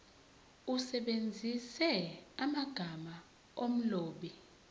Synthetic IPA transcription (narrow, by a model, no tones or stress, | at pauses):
usɛɓend͡zʱisɛamaɡ̥ʱama | om̩loːɓi